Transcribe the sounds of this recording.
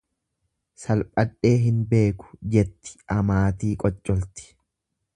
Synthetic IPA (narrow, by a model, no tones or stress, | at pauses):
sɐlpʼɐᶑe̞ːɦɪnbe̞ːkʊ̥d͡ʒɛt̪ːɪ̥ɐmaːt̪iːkʼɔt͡ʃʼːɔlt̪ɪ̥